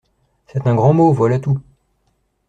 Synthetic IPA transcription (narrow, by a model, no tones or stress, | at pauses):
sɛt̪ɛ̃ɡʁɑ̃movwalat̪u